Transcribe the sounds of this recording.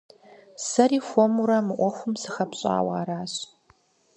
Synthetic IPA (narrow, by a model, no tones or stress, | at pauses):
sɐriːxʷɔmuɾɐmɨʔʷɔxʷʊmsɨxɐpɕʼa̰ːwɑ̰ːɾaːɕ